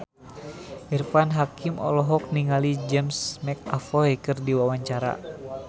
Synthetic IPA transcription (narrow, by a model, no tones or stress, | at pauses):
ʔirfanɦakimʔɔ̰lɔɦɔk̚niŋalid͡ʒɛmsmɛk̚afɔjkɨrdiwawaɲt͡ʃaɾa̰